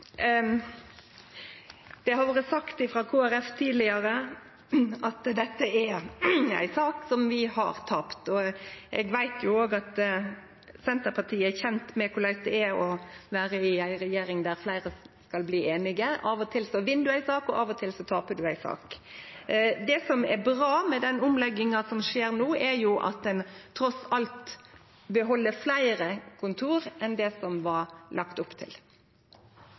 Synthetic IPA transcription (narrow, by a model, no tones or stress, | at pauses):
d̪̥ɛɦɑɾʋoːɾəsɑkt̪ɪfɾɑːkʰoːæɾɛft̪ʰiːd̪lɪəɾə | ɑt̪d̪ɛt̪ːəæ | æ̰ɪsɑːksɔmʋɪhɑ̰ɾt̪ʰɑpt̪ɔʔɛ̰ɡʋæɪt̪ʰjʊoːɡɑt̪ | sɛnt̪əɾpʰɑt̪ʰiːəæçɛnt̪mɛkʰʊlæɪsd̪ɛæɔʋæːɾəɪæɪɾɛjeːɾɪŋd̪æɾflæɪɾəskɑlbliːʔeːnɪɡəɑːʋɔt̪ʰɪlsɔʋɪnd̪ʉæɪsɑːkɔʔɑːʋɔt̪ʰɪlsɔt̪ʰɑːpəɖ̪ʉæɪsɑ̰ːk | d̪ɛsɔmɛbɾɑːmɛd̪ɛnʊmlɛɡːɪŋɑsɔmʂeːɾnoːɛɾjʊʔɑ̰t̪̚d̪ɛnt̪ʰɾɔsɑlt̪ | bəɦɔlːəɾflæɪəɾəkʰʊnt̪ʰuːɾʔɛnd̪ɛsɔmʋɑɾlʔɑkt̪ʊpt̪ʰɪ̰l